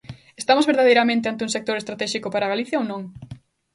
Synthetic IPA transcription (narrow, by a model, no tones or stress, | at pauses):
est̪amozβeɾðað̞ejɾamẽnt̪eant̪eũŋsek̚t̪oɾest̪ɾat̪ɛʃikʊpaɾaɣaliθjaownõŋ